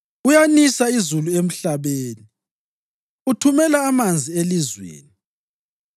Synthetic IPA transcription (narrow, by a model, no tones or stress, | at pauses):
ujanisaizuluem̩ɬaβeːni | utʰumɛlaːmand͡zʱielizwḛːni